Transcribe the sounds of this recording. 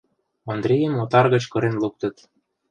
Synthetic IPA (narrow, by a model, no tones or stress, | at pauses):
ond̪ɾejemot̪ɑrɣə̆t͡ɕkɤ̆ɾenluk̚t̪ə̆t̪